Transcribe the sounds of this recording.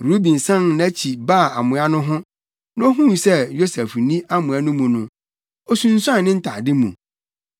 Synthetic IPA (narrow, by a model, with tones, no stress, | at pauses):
ɾu˦bĩ˨n˨sã˦nna˦t͡ɕʰi˨ba˦˨a˨mʊ̃˨a˦nʊ̃˦ɦʊ̃˦ | n˦o˦ɦũ˦˨sɛ˦jo˦sɛ˨fnĩ˦ʔa˦mʊ̃˨æ˦nʊ̃˦mũ˨nʊ̃˨ | o˦sũ˦n̩˦sã˦˨nɪ̃˦n̩˦tʰa˨dɪ˦mṵ̃˨